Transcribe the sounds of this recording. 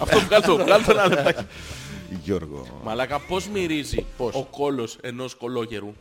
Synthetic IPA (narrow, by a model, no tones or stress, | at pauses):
ɐft̪opuɣɐlt̪ouɣɐlt̪onɐlet̪ɐce | ʝoɾɣo̰mɐlɐkɐpo̞zmiɾizipoko̞lo̞se̞nosko̞lo̞ce̞ɾu